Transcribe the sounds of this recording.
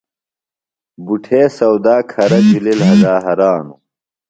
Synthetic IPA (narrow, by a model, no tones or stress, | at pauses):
buʈʰeːsɐwd̪aːkʰɐɾɐt͡ɕulilɦɐd̪aːɦɐɾaːnu